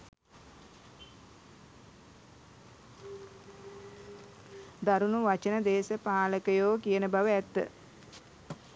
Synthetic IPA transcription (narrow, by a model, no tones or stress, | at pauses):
d̪aɾunuʋat͡ʃənəd̪eːsəpaːləkəjoːkijənəbaʋəæt̪ːə̰